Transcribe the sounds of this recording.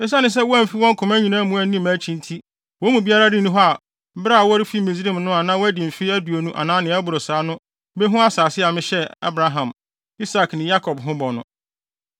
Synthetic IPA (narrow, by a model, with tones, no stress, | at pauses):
ɛ˦s̬a˦nɪ̃˨s̬ɛ˦wɔ˦æ˦˨m̩˨fi˦wɔ̃˦ŋ̩˦kʰʊ̃˨mæ˦ɲĩ˨nãː˦mũ˨˦æ˨n˦nĩ˦mæ˨˦t͡ɕʰĩ˦ntʰi˦ | wɔ̃˦mũ˨bi˦a˦ɾa˦dɪ˦nũ˦ɦɔ˦a˨˦ | bɾa˦˨a˨wɔ˦ɾɪ˦fi˦mĩ˨zĩ˦˨mnʊ̃˦a˨nãː˦wɔ˦æ˦dɪ˨m̩˨fi˦æ˦du˨o˨nũ˦ʔa̰˨nãː˦nɪ̃˨˦æ˦bʊ˨ɾo˨saː˨˦nʊ̃˦ | be˦ɦʊ̃˦a˦saː˨sɪ˦a˨mɪ̃˦ɕɛ˦a̰˦bɾa˦ɦã˨m | i˦sa˨knɪ̃˨ja˦kʰɔ˨bɦʊ̃˦bɔ˨nʊ̰̃˨